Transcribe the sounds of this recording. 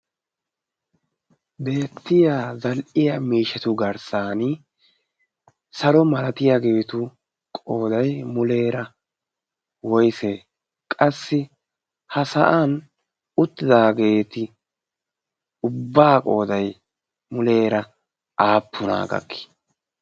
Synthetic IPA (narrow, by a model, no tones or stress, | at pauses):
be̞ːt̪ːɪjaːzɐlʔɪjɐmiːʃɛt̪ʊɡɐɾsaːn | sɐɾɔmɐlɐt̪ɪjaɡeːt̪ʊ | kʼoːd̪ɐjmʊle̞ːɾɐ | wɔjse | kʼɐsːɪ | hɐsɐʔan | ʊt̪ːɪd̪aːɡe̞ːt̪ɪ | ʊbːaːkʼo̞ːd̪ɐj | mʊle̞ːɾɐ | ʔaːpʰːʊna̰ːɡɐ̰kːɪ̥